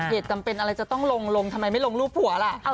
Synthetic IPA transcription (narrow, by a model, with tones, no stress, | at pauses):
heː˨˩t̪̚ka˧mpe˧nʔa˧ɾa˧jt͡ɕa˨˩t̪ɔ˥˩ŋlo˧ŋlo˧ŋt̪ʰa˧ma˧jma˥˩jlo˧ŋluː˥˩p̚ʰhu˩˦ɐla˨˩ʔ